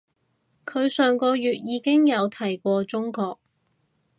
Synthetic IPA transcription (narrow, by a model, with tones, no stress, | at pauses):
kʰɵ˨˧ɥsœː˨˩ŋkɔː˧jyː˨t̚jiː˨˧kɪ˥ŋjɐ˨˧wt̪ʰɐ˨˩jkʷɔː˧t͡sʊ˥ŋkɔː˧k̚